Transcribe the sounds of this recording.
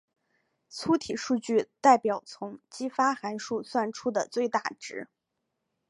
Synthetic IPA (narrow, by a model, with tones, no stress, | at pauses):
t͡sʰu˥t̪ʰi˨˩ʂu˥˧t͡ɕy˥˧t̪a˥˩ɪpjɑ˨˩ʊt͡sʰʊ˧˥ŋt͡ɕi˥fa˥xa˧˥nʂu˥˧swa˥˩nʈ͡ʂʰu˥d̪ə˨t͡swe˥˧ɪt̪a˥˩ʈ͡ʂɻ̩˧˥